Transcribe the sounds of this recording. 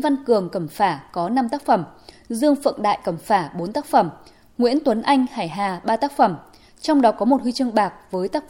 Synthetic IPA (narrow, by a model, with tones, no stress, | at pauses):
va˧nkɨ˨˩əŋkə˧˩mfaː˧˩kɔ˨˦na˧mt̪aː˦˥k̚fə˧˩m | zɨ˧əŋfə̰˧˨nɗa̰ː˧˨jkə˧˩mfaː˧˩ɓo˨˦nt̪aː˦˥k̚fə˧˩m | ŋwḭ˧˥ənt̪wə˨˦nʔa˧jŋ̟haː˧˩jɦaː˨˩ɓaː˧t̪aː˦˥k̚fə˧˩m | t͡ɕɔ˧wŋ͡mɗɔ˨˦kɔ˨˦mo˨˩t̚hwi˧t͡ɕɨ˧əŋɓaː˨˩k̚vəː˨˦jt̪aː˦˥k̚